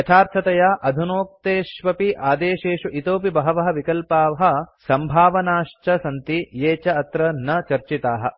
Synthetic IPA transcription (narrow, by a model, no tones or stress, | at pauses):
jɐt͡ʃʰaːɾt̪ʰɐt̪ɐjaːʔɐd̪ʱunoːk̚t̪eːʃʋɐpiʔaːd̪eːʃeːʂuʔit̪oːpibɐɦɐʋɐɦɐ̆ʋikɐlpaːʋɐɦɐ̆sɐmbʱaːʋɐnaːʂt͡ʃɐsɐnt̪ijeːt͡ʃɐɐt̪ɾɐnɐt͡ʃɐɾt͡ʃit̪aːɦɐ̰̆